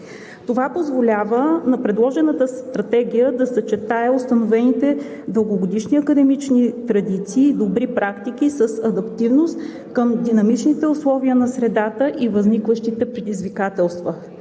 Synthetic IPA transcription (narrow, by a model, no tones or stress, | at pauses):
t̪ovapozvolʲavənɐpɾɛd̪lˠɔʒɛnət̪əst̪ɾɐt̪ɛɡʲijəd̪ɐsɐt͡ʃɛt̪aɛost̪ɐnovɛnit̪ɛd̪əlˠɡoɡod̪iʃniɐkəd̪ɛmit͡ʃnit̪ɾɐd̪it̪siːd̪obɾipɾakt̪ikʲisəsɐd̪ɐpt̪ivnost̪ | kəmd̪inɐmit͡ʃnit̪ɛʊslˠɔviənɐsɾɛd̪at̪əʔivəznikvəʃt̪it̪ɛpɾɛd̪izvikat̪ɛlˠst̪və